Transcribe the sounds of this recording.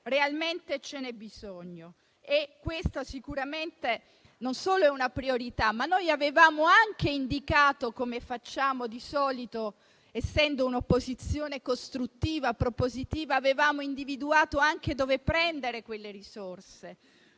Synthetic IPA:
realment̪et͡ʃenɛbizoɲːo | ekːwest̪asikuɾament̪e | nonsoːloɛunapɾioɾit̪amːanːojavevaːmoaŋk̟eind̪ikaːt̪okomefat͡ʃːaːmod̪isɔːlit̪o | esːɛnd̪ounopːozit̪sːjoːnekost̪ɾut̪ːiːvapɾopozit̪iːvaːvevaːmoind̪ivid̪uaːt̪oaŋked̪oːvepːɾɛnd̪eɾekwelːeɾisorse

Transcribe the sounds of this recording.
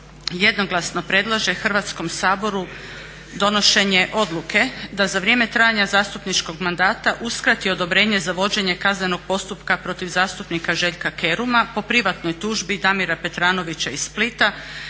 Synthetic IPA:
je̞d̪no̞ɡlˠasno̞pɾe̞d̪lˠaʒe̞xr̩ʋat̪sko̞msaːbo̞ɾu | d̪o̞no̞ʃe̞ɲe̞ʔo̞d̪lˠukʰe̞d̪azaʋɾjeːme̞t̪ɾajaɲazaːst̪upnit͡ʃko̞ɡmand̪aːt̪aʔuskɾat̪io̞d̪o̞bɾeːɲe̞zaʋo̞d͡ʑe̞ɲe̞kazne̞no̞ɡ̥̚po̞st̪upkapɾo̞t̪iʋzaːst̪upnikaʒe̞ʎkake̞ɾumapo̞pɾiʋat̪no̞jt̪uʒbid̪amiɾape̞t̪ɾaːno̞ʋit͡ɕaisːplit̪a

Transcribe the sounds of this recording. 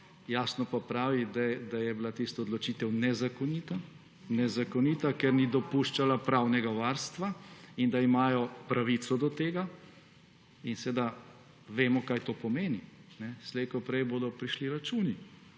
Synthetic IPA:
jaːsnɔpapɾaːʋid̪ad̪ajɛbilat̪ist̪ɔːd̪lɔt͡ʃiːt̪ɛwnɛzakɔniːt̪a | nɛzakɔnit̪akɛɾnid̪ɔpuːʃt͡ʃalapɾaːwnɛɡaʋaːɾst̪ʋaind̪aimaːjɔpɾaʋit̪sɔd̪ɔt̪eːɡa | insed̪a | ʋeːmɔkaːjt̪oːpɔmeːninɛslɛjkɔpɾɛjboːd̪ɔpɾiʃliɾat͡ʃuːni

